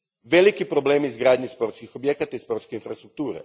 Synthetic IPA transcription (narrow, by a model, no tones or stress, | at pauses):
ʋe̞likipɾobleːmiizɡɾaːd̪ɲespo̞ɾt̪skixo̞bjekat̪aispo̞ɾt̪skeinfɾast̪ɾuk̚t̪uːɾḛ